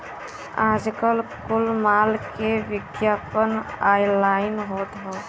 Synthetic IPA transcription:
aːd͡ʒkəlkʊlmaːlkeʋɪɡjapənajlaɪnɦoːt̪ɦɔ

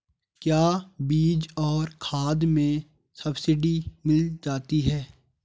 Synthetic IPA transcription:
kjaːbiːd͡ʒɔːɾkʰaːd̪mẽ | sɐbsɪɖimɪld͡ʒaːt̪iɦɛː

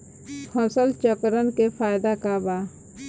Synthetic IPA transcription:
hʰɔsəlt͡ʃəkɾənkefʰaːɪd̪akabaː

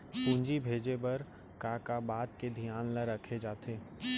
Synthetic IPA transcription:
kũːɲd͡ʒibʱeːd͡ʒebɐɾ | kaːkabaːt̪̚ked̪ʱijaːnləɾəkʰed͡ʒaːt̪eː

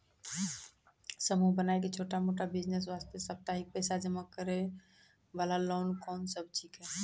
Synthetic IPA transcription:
səmubənajket͡ʃʰoʈamoʈabid͡ʒnes̬ʋast̪esəb̚t̪aɦik̚pəjsad͡ʒəməkːəɾe | ʋalalonkɔːnsəb̚t͡ʃʰikɦɛ

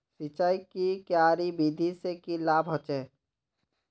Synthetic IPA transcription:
sɪt͡ʃaːikikjaːɾibiːd̪ʱisekilaːbɦɔt͡ʃeː

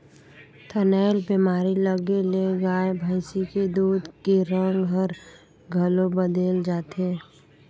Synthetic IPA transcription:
t̪ʰənɛːlbemaːɾiləɡeleɡaːebʱəːɪsiked̪uːd̪keɾə̃ŋɡɦəɾ | ɡʱəlobəd̪eːld͡ʒaːt̪eː

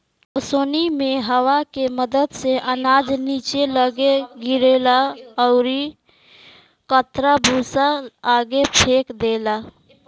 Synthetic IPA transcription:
əsonimeɦəwakeməd̪əd̪seʔənad͡ʒnit͡ʃeləɡeɡiɾelaəʊɾi | kət̪ɾabʱusaːɡepʰekd̪ela

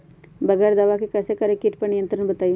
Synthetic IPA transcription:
bəɡəɾd̪ɐʋakikəsekəɾekiʈpɐnijənt̪ɾəɳbət̪aj

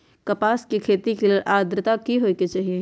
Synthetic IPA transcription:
kɐpaːskikʰeːt̪ikileɾʔaːd̪ɾɪt̪akiɦoːiket͡ʃaːɦie

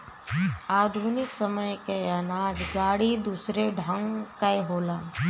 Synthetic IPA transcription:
aːd̪ʱunɪksəməjkeanaːd͡ʒɡaːɽid̪uːsɾeɖʱə̃ŋɡkajɦoːlaː

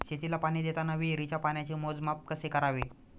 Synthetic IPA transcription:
ɕet̪ilapaɽ̃iːd̪et̪anəʋiːɾit͡ɕapaɳjat͡ɕiːmod͡zmap̚kəsekəɾaʋi

